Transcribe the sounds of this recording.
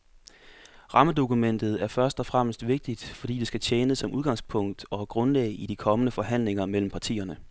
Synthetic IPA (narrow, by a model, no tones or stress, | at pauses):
ʁɑ̈məd̥o̝kumen̰d̥ð̩ˠæɐfɶɐsd̥ɒ̽fʁam̰sd̥ʋe̝ɡ̥̚d̥id̥fɒ̽d̥ḭːdesɡ̥æt͡ɕʰjeːnəsːɒ̽mʔuð̞ˠɡ̥ɑ̈ŋspʰɔ̽ŋ̰d̥ɒ̽ɡ̥ʁɔ̽nlɛ̰ɪid̥ikʰɒ̽mənəfɒ̽ɦæn̰leŋɐmel̰m̩pʰɑ̈t͡sʰḭːɐnə